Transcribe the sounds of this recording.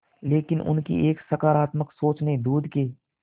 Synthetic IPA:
leːkɪnʔʊ̰nkḭʔeːksəkaːɾaːt̪məksoːt͡ʃned̪uːd̪keː

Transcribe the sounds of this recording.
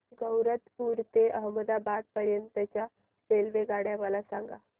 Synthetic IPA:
ɡəwɾət̪puɾt̪eəɦməd̪abad̪̚pəɾjənt̪ət͡ɕja | felʋeɡaɽjaʋalasaŋɡa̰

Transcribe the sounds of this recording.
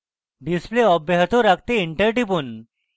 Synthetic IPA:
ɖispleɔbeɦt̪oɾakʰt̪eiɳʈəɾʈipon

